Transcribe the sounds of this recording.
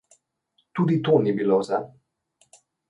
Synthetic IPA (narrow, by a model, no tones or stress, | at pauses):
t̪uːd̪it̪oːnibiloza